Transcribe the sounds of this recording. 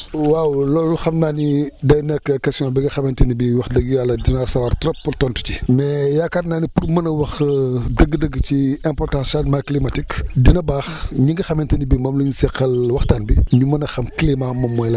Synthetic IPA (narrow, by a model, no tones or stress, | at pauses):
wawlɔluxɐmnaːnidɐjnɛkːəkɐsijɔ̃nbɛɡɐxɐmɛntɐnibiwɐxdɐɡjalːɐdinɐsɐwɐrtɾɔpːultɔntu̥cimɛjakaːtnaːnipurmɐnɐwɐxdəɡːdəɡːt͡ʃiɛ̃mpɔrtãsatmaklimɐtikdinɐbaːxɲiŋɡɐxɐmɛntɐnibimɐmluɲusɛqːɐlwɐxtaːnbiɲumɐnɐxɐmklimamɐmːɔjlɐ